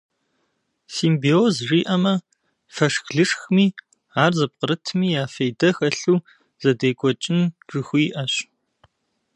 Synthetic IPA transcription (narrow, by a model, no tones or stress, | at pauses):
siːmbiozʐiːʔɐmɐ | fɐʂxɮɨʂxmiː | aːrzɐp̚qəɾɨtʰmiːjaːfejdɐxɐɬuː | z̥ɐdeːkʷʼɔt͡ʃʼɪnʈ͡ʂʼɨxʷiːʔɐɕ